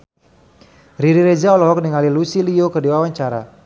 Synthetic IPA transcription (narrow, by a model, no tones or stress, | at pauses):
riɾiɾed͡ʒaɔlɔɦɔk̚niŋalilusiliokərdiwawaɲt͡ʃaɾa